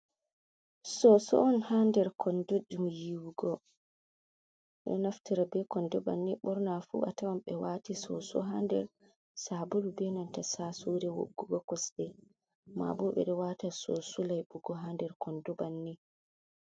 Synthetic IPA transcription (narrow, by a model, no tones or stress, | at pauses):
sɔsɔ̰ɔnhandɛɾkʰɔndɔd͡ʒumjiwuɡɔ | ɗɛ̰naftiɾabɛkɔndɔba̰nːiɓɔɾnafṵʔa̰tawamɓɛwaːtisɔ̰sɔ̰ɦandɛ̰ɾ | sabulubɛnantasasuɾɛwo̰ɡːuɡɔkɔsɗɛ | ma̰bɔɓɛ̰ɗɔwaːtasɔsulajɓuɡɔɦandɛɾkɔndɔbanːi